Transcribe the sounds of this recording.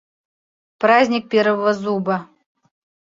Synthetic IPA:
pɾazʲnʲik̚pʲeɾvəvəzubə

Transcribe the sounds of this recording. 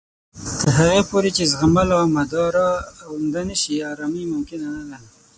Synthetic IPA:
t̪əɾɦaɣepoɾet͡ʃezɣamalamad̪ɑɾɑːwnd̪anəʃiaɾɑmimʊmkɪnanalana

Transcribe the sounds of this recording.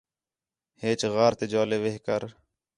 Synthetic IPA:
heːt͡ʃɣaːɾt̪eːd͡ʒoːleːʋeɦkəɾ

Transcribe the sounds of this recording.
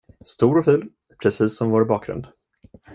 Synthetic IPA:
st̪uːɾɔfʉ̟ːl | pʰɾɛsiːsːɔmvoːɾbɑːk̚ɡɾɵ̰nd̪

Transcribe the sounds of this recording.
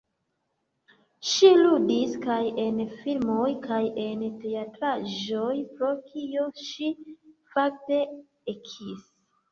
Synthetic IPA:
ʃiludiskaje̞nfilmo̞jkʰaje̞nte̞atɾaʒo̞jpɾo̞kʰio̞ʃifak̚te̞ | ekʰis

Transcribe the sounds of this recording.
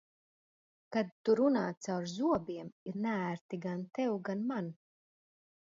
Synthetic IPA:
kad̪̚t̪ːuɾunaːsawɾzuɔbiɛmiɾnææɾt̪iɡant̪ɛwɡanman

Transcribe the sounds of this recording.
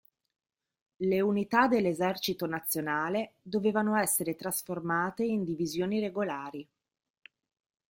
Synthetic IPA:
leunit̪ad̪elːezɛrt͡ʃit̪onat̪sːjonaːled̪oveːvanoɛsːeɾet̪ɾasformaːt̪eind̪ivizjoːnireɡolaːɾi

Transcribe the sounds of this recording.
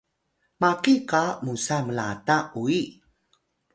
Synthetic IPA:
makikamusaməla̰taʔui

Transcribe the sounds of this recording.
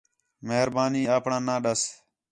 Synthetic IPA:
məɦɾbaːniːaːpɳãːnãːɗəs

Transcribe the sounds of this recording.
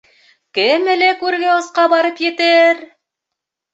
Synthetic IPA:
kɘmɘlækʉɾɡæŏsqɑbɑɾɤpjɘ̆t̪ɘɾ

